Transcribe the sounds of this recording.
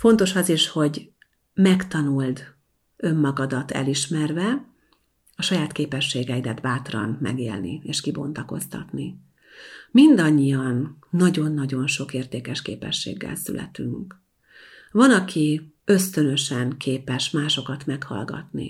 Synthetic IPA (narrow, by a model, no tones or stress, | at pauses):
fo̞nt̪o̞ʃɒziʃho̞ɟ | mɛkt̪ɒnuld̪ | ø̞mːɒɡɒd̪ɒt̪ɛ̰liʃmɛrvɛ | ɒʃɒjaːt̪keːpɛʃːeːɡɛid̪ɛd̪baːt̪rɒ̰nmɛ̰ɡḛːlnḭeːʃkibo̞̰nt̪ɒko̞̰st̪ɒ̰t̪ni | mind̪ɒɲːijɒnːɒɟo̞nːɒɟo̞nʃo̞keːrt̪eːkɛʃkḛːpɛ̰ʃːḛːɡːɛ̰lsy̰lɛ̰t̪yŋk | vɒnɒkʰiø̞st̪ø̞nø̞ʃɛŋkʰeːpɛʃmaːʃo̞kɒt̪mɛkhɒ̰lɡɒ̰t̪nḭ